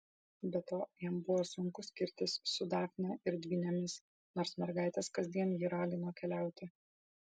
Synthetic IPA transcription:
bʲɛt̪oːjɛmbʊʋoːsʊŋkʊsʲkʲɪɾʲt̪ʲɪssʊd̪ɑːxʲnʲɛːʔɪɾd̪ʲʋʲinʲɛmʲɪs | noːɾsmʲɛɾɡɑˑɪt̪ʲɛːskɐzʲd̪ʲiɛnjiːɾɑːɡʲɪnoːkʲɛlʲæˑʊt̪ʲɪ

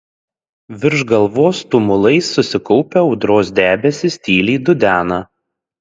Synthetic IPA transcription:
ʋʲɪɾʒɡɐlˠʋoːst̪ʊmʊlˠɐɪsːʊsʲɪkɔʊpʲeɒʊd̪ɾoːsd̪ʲæːbʲɛsʲɪsʲt̪ʲiːlʲiːd̪ʊd̪ʲæːnɐ

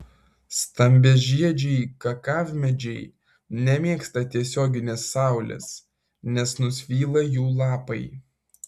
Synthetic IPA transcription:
st̪ɐmʲbʲɛʒʲiɛd͡ʒʲɛɪkɐkɑːʋʲmʲɛd͡ʒʲɛɪ | nʲɛmʲiɛkst̪ɐt̪ʲiɛsʲoːɡʲɪnʲesːɑˑʊlʲɛ̰s | nʲɛsnʊsʲʋʲiːlˠɐjuːlˠɑːpɐɪ

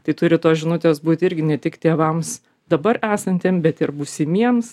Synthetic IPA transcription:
t̪ɐɪt̪ʊɾʲɪt̪oːsʒʲɪnʊt̪ʲeːsbuːt̪ʲɪɾʲɡʲɪnʲɛt̪ʲɪkt̪ʲeːʋɐms | d̪ɐbɐɾæːsɐnʲt̪ʲeːmbʲɛt̪ɪɾbuːsʲɪmʲiɛms

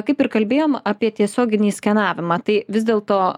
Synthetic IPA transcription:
kɐɪpɪɾkɐlʲbʲeːjoːmɐpʲiɛt̪ʲiɛsʲoːɡʲɪnʲiːsʲkʲɛnɑːʋʲɪmɑːt̪ɐɪʋʲɪzʲd̪ʲeːlˠt̪oː

